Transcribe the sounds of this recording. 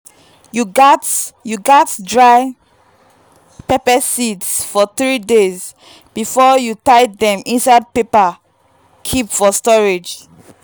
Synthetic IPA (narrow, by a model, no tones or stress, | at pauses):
juɡatjuɡɔtdɹaɪ | pepəsidsfɔθɹidez | b̥ifɔjutaɪdɛ̃mĩnsaɪd̚pepa | kʰipfɔstɔɹed͡ʒ